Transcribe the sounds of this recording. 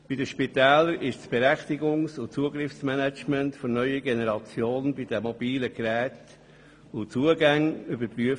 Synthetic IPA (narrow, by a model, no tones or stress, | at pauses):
b̥idəʃpit̪ɛːləɾɪʃsb̥eɾɛχt̪iɡʊŋsʊt͡suəɡɾɪfsmænæt͡ʃmɛntfɔnœʏəɡenɛɾɑt͡sjoːnbid̥̪ɛmɔb̥iːləɡɾɛːt | ʊt͡suəɡæŋybəɾpɾyə